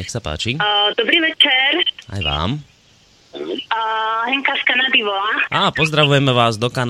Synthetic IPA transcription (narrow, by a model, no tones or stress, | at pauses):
ɛxsapa̰ːt͡ʃid̪̥ɔbɾiːʋɛt͡ʃɛɾa̰jʋa̰ːm | ɦɛŋkaskanad̪iʋɔlaaːpɔzd̪ɾaʋujɛmɛʋaːzd̪ɔkan